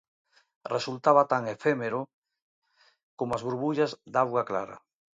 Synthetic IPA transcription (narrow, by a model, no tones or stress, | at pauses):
result̪aβ̞at̪aŋefemeɾo | komoazβuɾβuʎazd̪awɣaklaɾa̰